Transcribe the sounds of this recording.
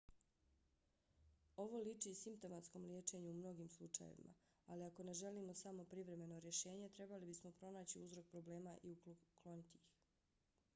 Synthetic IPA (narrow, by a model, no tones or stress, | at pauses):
o̞ʋo̞lit͡ʃisimp̚t̪o̞mat̪sko̞mlʲjeːt͡ʃe̞ɲuumno̞ɡiːmslˠut͡ʃa̰jḛʋḭmʔa̰ | aliako̞ne̞ʒe̞liːmo̞samo̞pɾiʋɾe̞me̞no̞ɾje̞ʃe̞ːɲe̞t̪ɾe̞balibismo̞pɾo̞naːt͡ɕiuzɾo̞k̚pɾo̞ble̞ːmaʔiuklˠo̞nit̪ix